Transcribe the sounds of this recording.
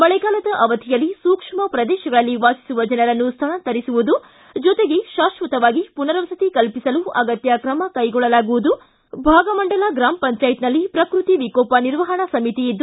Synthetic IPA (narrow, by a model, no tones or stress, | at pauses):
mɐɭɛɡaːlɐd̪ɐʔɐʋɐt̪ʰijɐlːisuːkʂmɐpɾɐd̪ɛːʃɐɡɐɭɐlːiʋaːsi̥suʋɐd͡ʒɐnɐɾɐnːust̪ʰɐnɐt̪ɐɾisuʋud̪u | d͡ʒɔt̪eɡeʃaːʃʋɐt̪ɐʋaːɡipunɐɾɐʋɐsɐt̪ikɐlpisɐluɐɡɐt̪jɐkɾɐmɐkɐjɡɔɭːɐlaːɡuʋud̪u | bʱaːɡɐmɐɳɖɐlaɡɾaːmpɐɲt͡ʃaːjt̪nɐlːipɾɐkɾut̪iʋikɔːpɐniɾʋɐɦɐɳɐsɐmit̪iid̪ːu